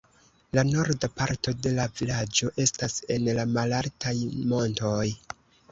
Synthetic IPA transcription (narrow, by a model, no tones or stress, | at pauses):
lano̞ɾdapaɾto̞de̞lavilad͡ʒo̞ʔe̞stase̞nlamalaltajmo̞nto̞j